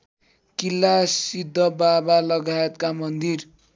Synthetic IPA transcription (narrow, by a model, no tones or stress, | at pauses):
kilːasid̪ʱːʌbabalʌɡajet̪kamʌnd̪ir